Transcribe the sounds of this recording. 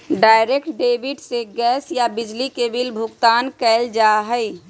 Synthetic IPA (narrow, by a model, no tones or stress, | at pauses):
ɖaːɪɾeːkʈɖeːbɪɖseɡɛːsjabɪd͡ʒlikebɪlbʱʊɡt̪aːnkɛːld͡ʒaːɦɛi